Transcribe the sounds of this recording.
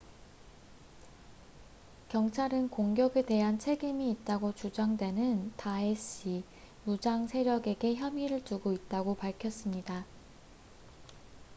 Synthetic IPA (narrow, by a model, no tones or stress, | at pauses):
kjʌŋt͡ɕʰaɾɯnkoŋɡjʌɡe̞de̞ɦant͡ɕʰeɡimiːt̚t͈aɡot͡ɕud͡ʑaŋdwe̞nɯntaeɕ͈i | mud͡ʑaŋsʰe̞ɾjʌɡe̞ɡe̞çjʌmiɾɯɭt͡ɕuɡoit̚t͈aɡopaɭkʰjʌs͈ɯmɲida